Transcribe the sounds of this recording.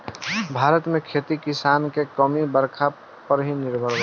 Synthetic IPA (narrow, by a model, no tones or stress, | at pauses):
bʱaɾət̪mekʰet̪ikisankekəmibəɾkʰa | pəɾɦiniɾbʱəɾ